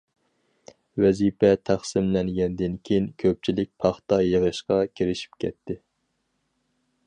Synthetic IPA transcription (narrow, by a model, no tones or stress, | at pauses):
wɛzipɛt̪ʰæχsɨmlɛnɡʲɛnd̪ɪnkʲʰejinkʲʰøp̚t͡ʃʰilɪk̚ʲpʰɑχt̪ɑjəʁəʃqɑkʲʰeɾɪʃi̥pkʲʰɛt̪ʰːɪ